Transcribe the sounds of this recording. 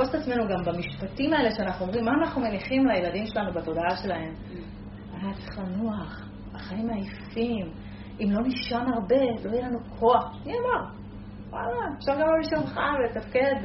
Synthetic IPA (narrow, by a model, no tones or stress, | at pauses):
oset̪at͡sme̞nuɡambamiʃpatimae̞le̞ʃeanaχnuo̞mʁimːaːnaχnume̞niχimlajeladimʃe̞lanubato̞daaʃe̞lae̞m | anat͡sʁiχlanuaχ | aχaimaːjfim | imlo̞niʃanaʁbe̞lo̞jelanukʰo̞aχmiamaʁ | wa̰lafʃaʁɡamoliʃonχaveletafke̞dd